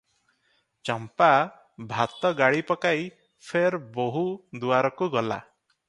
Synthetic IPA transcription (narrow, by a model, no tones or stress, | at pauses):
t͡ʃɔmpa | bʱat̪ɔɡaɽipɔkaj | pʰeɾboɦud̪uaɾɔkuɡɔla̰